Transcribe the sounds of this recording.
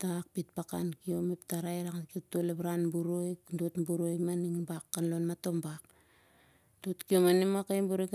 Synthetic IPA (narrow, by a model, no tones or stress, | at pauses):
tak̚pit̚paka̰nkio̞meptaɾajɾaŋkiotuolebɾanbuɾojkdotbuɾojmaniŋbakːanlo̞nmato̞mbak | dotkio̞manimakajbuɾik